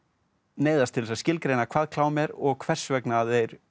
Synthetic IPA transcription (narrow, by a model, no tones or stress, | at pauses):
neːjðast̪ʰɪlsascɪlkɾejnakʰvaːðkʰlaːwmjɛɾɔɣkʰv̥ɛr̥svɛknaðejɾ